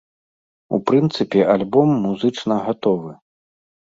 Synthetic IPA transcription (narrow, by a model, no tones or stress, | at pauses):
ṵpɾɨnt̪sɨpʲɛʔalʲbɔmːuzɨt͡ʂnɐɣat̪ɔvɨ